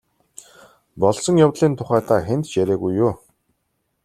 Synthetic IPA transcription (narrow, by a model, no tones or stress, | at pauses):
pɔɮsɞ̆ŋjawt̪ɮiːnt̪ʰʊχæːt̪ʰaːxent̪t͡ɕjæɾʲæːɣujːʊː